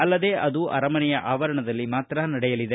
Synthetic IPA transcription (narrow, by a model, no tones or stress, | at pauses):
ɐlːɐd̪e̞ːʔɐd̪uʔɐ̰ɾɐmɐnɛjɐʔaːʋɐɾɐɳɐd̪ɐlːimaːt̪ɾɐnɐɽɛjɐlid̪e